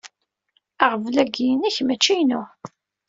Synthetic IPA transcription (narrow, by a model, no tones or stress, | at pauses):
aʁvlæɡiəniçmæt͡ʃːijnʊ